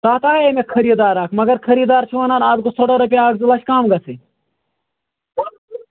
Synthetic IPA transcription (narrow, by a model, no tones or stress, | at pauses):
t̪aːt̪aːemekʰɐɾiːd̪aːɾaːkʰmɐɡɐɾkʰɐɾiːd̪aːɾt͡ʃʰuʋɐnaːnaːd̪ɡosoːɽɐɾɐpijaːɡzilat͡ʃkaːmɡɐsʰi